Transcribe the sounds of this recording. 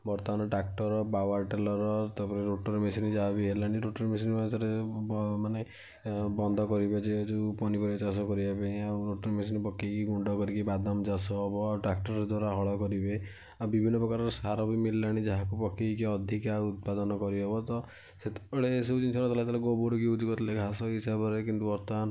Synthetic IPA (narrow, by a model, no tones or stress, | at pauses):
bɔɾt̪ɔmanɔʈak̚ʈɔɾɔpawaɾʈelɔɾɔt̪ɔpɔɾeɾoʈoɾmesinid͡ʒaɦabiɦelaɽ̃iɾoʈɔɾmes̬inmanetɔɾemane | bɔnd̪ʱɔkɔɾibed͡ʒed͡ʒupɔnipɔɾiɔt͡ʃasɔkɔɾibapẽawɾoʈɔɾmesinipɔkʰːikiɡuɳɖɔkɔɾikibad̪amd͡ʒasɔɦbɔawʈɾak̚ʈɔɾɔd̪waɾaɦɔɭɔkɔɾibe | abibʱinːɔpɾɔkaɾɔɾɔsaɾɔbimillaɽ̃id͡ʒɔɦakupɔkʰːikiɔd̪ʱikaut̪̚pad̪ɔnɔkɔɾiɦɔbɔt̪ɔ | set̪ɽeːs̬ebd͡ʒint͡ʃʰɔnɔ̃t̪ɔlat̪aleɡoboɾukiud̪ɡɔt̪leɡʱasɔɦisabɔɾekint̪uɔɾt̪ɔan